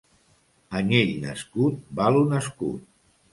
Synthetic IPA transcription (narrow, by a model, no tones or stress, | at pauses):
əneʎnə̰skut̪̚balunəskṵt̪̚